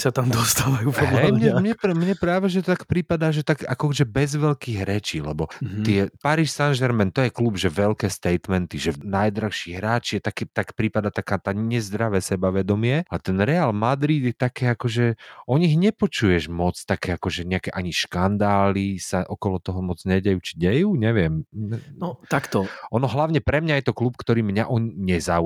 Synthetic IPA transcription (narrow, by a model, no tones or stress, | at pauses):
sat̪amd̪ɔst̪aːʋajupɔɦɛjmɲɛmɲɛmɲɛpɾaːʋɛʒɛt̪t̪akpɾipad̪aːʒɛt̪akakɔʒɛbɛzʋɛlkiɣɦɾɛt͡ʃiːlɛbɔt̪ɪɛpaɾiʃsanʒɛɾmɛnt̪ɔjɛklubʒɛʋɛlkɛːst̪ɛjt̪mɛnt̪iʒɛnajd̪ɾaxʃiːɦɾaːt͡ʃijɛt̪akɛt̪akpɾipad̪at̪akaːt̪aɲɛzd̪ɾaʋɛːsɛbaʋɛd̪ɔmɪɛalɛt̪ɛnɾɛaːlmad̪ɾid̪jɛt̪akɛːakɔʒɛʔɔɲiɦɲɛpɔt͡ʃujɛʒmɔt͡st̪akɛːakɔʒɛɲɛakɛʔaɲiʃkand̪aːlisaʔɔkɔlɔt̪ɔɦɔmɔd͡zɲɛɟɛjuːt͡ʃi̥ɟɛjuːɲɛʋɪɛmɛnɔt̪akt̪ɔʔɔnɔɦlaʊɲɛpɾɛmɲajɛt̪ɔklup̚kt̪ɔɾiːmɲaʔɔɲiɲɛzaːu